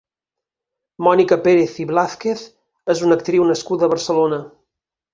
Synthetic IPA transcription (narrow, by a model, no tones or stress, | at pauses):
mɔnikəpeɾeθiβlaθkeθ | ezunək̚t̪ɾiwnəskud̪əβəɾsəlonə